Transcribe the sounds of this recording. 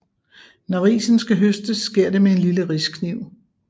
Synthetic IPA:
nɒʁḭːsn̩sɡ̥æɦøsd̥əsːɡ̥e̝ɐ̰de̝mee̝nliləʁiskʰniʊ̰

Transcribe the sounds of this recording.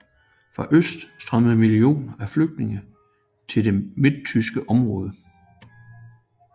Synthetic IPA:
fʁɑ̈ʔøsd̥sd̥ʁɶməð̩ˠmilio̝̰ːnæfløɡ̥̚d̥ne̝ŋə | t͡sʰe̝ld̥e̝med̥̚t͡sʰysɡ̥əʔɒ̽mʁɔ̽ːð̞ˠə

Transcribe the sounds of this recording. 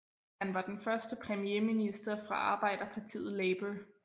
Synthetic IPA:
hænʋɑ̈d̥enfɶɐsd̥əpʰʁɛmijeminisd̥ɐfʁɑ̈ʔɑ̈ːb̥ɑ̈ɪ̰d̥ɐpʰɑ̈t͡sʰḭːð̩ˠleɪb̥ə

